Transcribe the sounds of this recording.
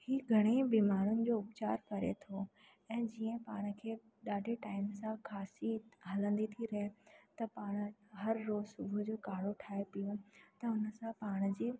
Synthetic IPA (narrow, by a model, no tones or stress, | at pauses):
hiːɡʱɐɽ̃ebiːmaːɾʊnɪ̆d͡ʑoːʊpt͡ɕaːɾkɐɾḛt̪ʰo | ɛ̃ːd͡ʑiə̃paːɽ̃ə̆kʰeː | ɗaːɖʱeʈaːɪmsãkʰaːsiɦɐlə̃nd̪it̪ʰiɾɐɦet̪ɐpaːɽ̃̆ɦɐɾːoːzsʊbʱʊd͡ʑoːkaːɽoʈʰaːepijõt̪ɐʊnə̆sãpaːɽ̃̆d͡ʑiː